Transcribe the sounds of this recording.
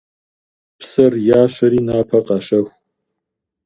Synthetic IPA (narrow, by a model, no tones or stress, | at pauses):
psɐrjaːɕɐɾiːnaːpʰɐqɐʃɐxʷ